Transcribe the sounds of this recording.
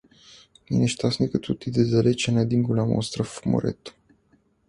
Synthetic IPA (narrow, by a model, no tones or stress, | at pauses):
mineʃt̪asnikət̪ut̪id̪ezalet͡ʃanad̪iŋɡulamo̰nst̪ɾafmo̰ɾḛt̪